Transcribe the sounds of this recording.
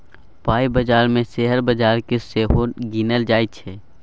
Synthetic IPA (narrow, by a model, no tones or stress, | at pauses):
paːibəd͡ʒaːɾmẽseɦəɾbəd͡ʒaːɾkeseːɦonɡinəld͡ʒaːit̪t͡ʃʰɛː